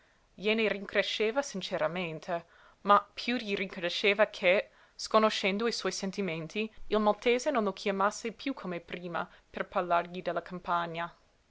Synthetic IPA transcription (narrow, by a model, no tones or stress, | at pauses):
jeneriŋkɾeʃeːvasint͡ʃeɾament̪ʰe | mapʰjuʎiriŋkonoʃeːvakʰe | skonoʃɛnd̪oiswɔjsent̪iment̪ʰiilmalt̪eːzenõnlokʰjamasːepjukʰomepɾiːma̰ | perparlarʎid̪elːakampaɲːa